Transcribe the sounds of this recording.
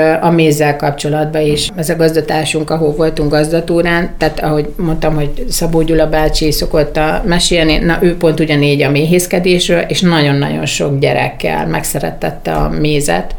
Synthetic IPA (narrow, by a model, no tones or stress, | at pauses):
ɒmeːzːɛlkɒpt͡ʃo̞lɒd̪bɒeːʃɛzɒɡɒzd̪ɒt̪aːʃuŋkɒɦolvo̞lt̪uŋɡɒzd̪ɒt̪uːɾaːnt̪aːt̪ɒɦo̞ɟmo̞nt̪ɒmho̞ɟsɒboːɟulɒbaːt͡ʃiso̞ko̞t̪ːɒmɛʃeːlninɒʔøːpo̞n̪t̪uɟɒneːɟɒmeːɦeːskɛd̪eːʃrøːleːʃnɒɟo̞nːɒ̰ɟo̞̰nʃo̞ɡɟɛɾɛ̰kːɛ̰lmɛksɛɾɛ̰t̪ːɛt̪ːɒ̰meːzɛ̰t̪